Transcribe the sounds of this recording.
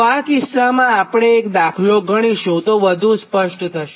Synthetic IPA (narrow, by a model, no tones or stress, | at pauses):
pakɪsːamãapɽ̃eːkd̪akʰloɡʱəɽ̃iʃũt̪oʋəd̪ʱũspəʃʈt̪ʰəʃe